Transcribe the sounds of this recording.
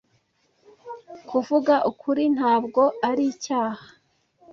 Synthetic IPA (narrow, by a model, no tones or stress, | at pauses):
kʰuvuɡaʔukʰuɾin̥haːbɡo̞ʔaɾicaːhḁ